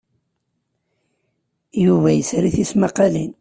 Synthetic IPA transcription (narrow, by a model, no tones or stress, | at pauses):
juvæjəsɾiθismɑqɑlin